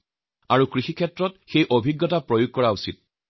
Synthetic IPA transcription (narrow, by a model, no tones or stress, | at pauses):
aɹukɹixikʰɛtɹɔt̚xejʔobʱiɡːɔtapɹojuɡ̚kɔɹausit̚